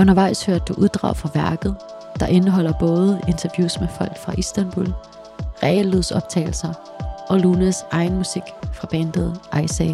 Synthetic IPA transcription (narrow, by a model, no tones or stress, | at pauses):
ɔ̽nɐʋɑ̈ɪ̰shøɐ̰d̥̚ːuʔuðˠd̥ʁɑ̈ʊfʁɑ̈ʋæɐɡ̥ð̩ˠ | d̥ɑ̈ʔe̝nəɦɒ̽l̰ɐb̥ɔ̽ːð̞̩ˠəe̝nt͡sʰɐʋjṵːsmefɒ̽l̰ɡ̥fʁɑ̈ʔisd̥ænb̥ul | ʁɛliðˠsɒ̽b̥̚t͡sʰɛ̰ːɪl̩sɐ | ʔɒ̽luːnæsɑ̈ɪn̩musiɡ̥fʁɑ̈b̥ɛnd̥eðˠʔɑɪsɛ